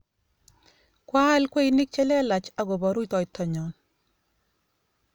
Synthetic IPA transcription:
kwa˦lkwe˦inɪ˦k̚t͡ʃɛ˦lɛ˦la˨t͡ʃa˨ɡo˨bɔ˨ɾu˦jtɔ˨jtːɔ˨ɲɔ˨n

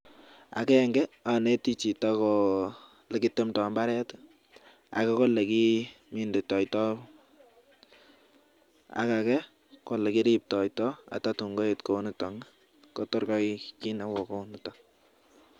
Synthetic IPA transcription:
a̰˨kɛ˦ŋɡɛ˦a˨ne˦ti˦t͡ʃi˨takɔ | lɛ˨ki˦te˦mtɔ˨mba˦ɾɛ˦t | a̰˨kɛ˦kɔ˦lːe˨ki | mi˦nde˨tɔ˨jtɔ˦ | a̰˦kakɛ˦ | ko˨lɛ˨ki˦ɾi˦p̚tɔ˨jtɔa̰˨tatu˨ŋɡo˦e˨tko˨nu˦tɔ˨ŋ | kɔ˦tɔ˦ɾkɔ˦jki˦na˦wɔ˨ko˦nutɔ˨

